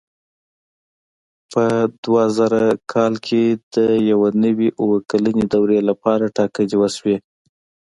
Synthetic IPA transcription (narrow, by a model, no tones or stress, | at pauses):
pəd̪wazaɾakʰɑlkʰed̪̥əjawanəwiʔuwəkaləned̪awɾelapɑɾaʈɑkəd͡ʒiwaswe